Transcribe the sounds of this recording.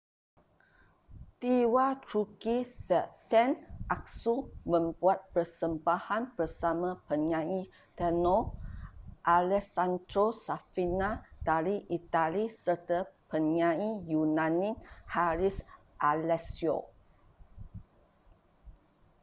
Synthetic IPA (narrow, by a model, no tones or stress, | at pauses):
t̪iwat̪ɾukisɛnʔak̚sumə̃mbuat̪̚pərsəmbahanbərsamãpəɲãĩ | t̪ənɔ | ʔalɛsand̪ɾosafinad̪aliʔit̪alisərt̪əpənɲãĩjunãnĩhaɾis | ʔalɛsjo̰